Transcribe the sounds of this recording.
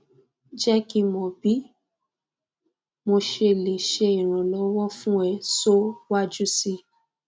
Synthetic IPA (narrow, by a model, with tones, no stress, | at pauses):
d͡ʒɛ˦ki˦mɔ̃˨bi˨˦ | mo˧ʃe˧˨le˨ʃe˧i˨ɾ̃ã˨lɔ˨˧˦wɔ˦fũ˦ɛ˧so˦wa˦d͡ʒu˦si˧